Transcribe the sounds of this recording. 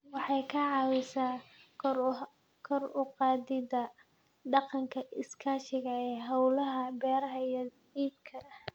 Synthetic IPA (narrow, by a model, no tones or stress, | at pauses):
wɑħɑjkʰɐʕɑːwɪsaː | kʰɔrʊqɑːdɪdɐ | ɖɑqɑŋkʰɐɪskʰaːʃɪɣɐɛːɦɐwlɐɦɐbɛːɾɐɦɐijɐdiːb̚kʰɐ